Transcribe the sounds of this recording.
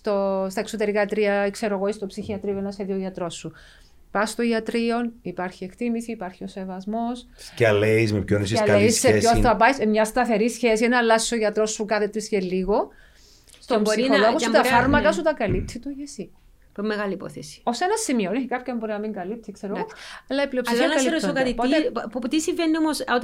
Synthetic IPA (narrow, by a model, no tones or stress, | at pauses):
st̪ost̪ɐeksot̪e̞ɾikɐt̪ɾiɐkse̞ɾoɣoist̪opsiçiɐt̪ɾioenɐsçeðioʝɐt̪ɾo̞sːu | pɐst̪oʝɐt̪ɾio̞nipɐɾçiekt̪imisiːpɐɾçio̞se̞vɐzmo̞scɐleismepçonisileisːeesoɐpɐjsmɲɐst̪ɐθe̞ɾisçesienɐlːɐsi̥soʝɐt̪ɾo̞sːukɐθet̪ɾiscelːiɣo̞ | st̪omiioloɣot̪ɐfɐɾmɐkɐs̬ut̪ɐkɐlip̚t̪sit̪uʝesi | mːeɣɐlipo̰θesi̥o̞senɐsːimioneçikɐpçombo̞ɾinɐmiŋɡɐlipt̪iskseɾeɣoɐlːɐipliopsinɐɐliɾosokɐt̪ioiet̪isiɱvenːiomoso